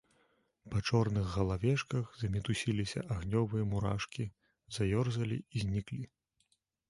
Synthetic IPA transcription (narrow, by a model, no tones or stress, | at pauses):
pɐt͡ʂɔrnɨɣɣɐlˠavʲɛʂkɐɣzɐmʲit̪usʲilʲisʲɐ̰ʔaɣnʲɔvɨjɐmuɾa̰ʂkʲi | z̥ajɔrzɐlʲḭizʲnʲiklʲi